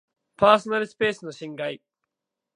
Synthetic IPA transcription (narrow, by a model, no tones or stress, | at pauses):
paːso̞naɾɯ̟sɨ̥pe̞ːsɨno̞ɕĩŋɡai